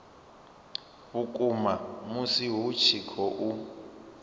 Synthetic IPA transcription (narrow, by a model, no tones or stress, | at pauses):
βukʼumamusiɦut͡ʃʰikʰɔʔu